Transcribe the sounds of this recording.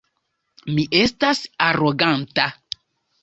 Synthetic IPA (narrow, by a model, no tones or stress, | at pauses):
miʔe̞stasaɾo̞ɡanta